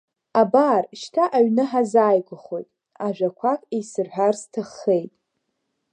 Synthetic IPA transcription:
abaːrʃtʰaʔaɥnɨħazaːjɡʷʼʊχo̞jtʼ | aʒᶣʷakʷʰakʼejsɨrħʷᶣarstʰɨχːejtʼ

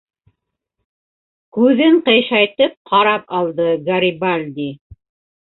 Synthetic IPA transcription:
kʉðɘɴqɤ̆jʃɑjt̪ɤp̚qʰɑɾɑpɑlˠd̪ɤɡɐɾʲibalʲd̪i

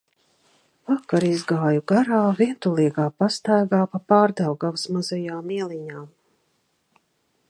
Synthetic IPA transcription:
vakaɾizɡaːjuɡaɾaːviɛnt̪ulˠiɛɡaːpast̪ajɡaːpapaːɾd̪awɡawsmazɛjaːmiɛlˠiɲaː

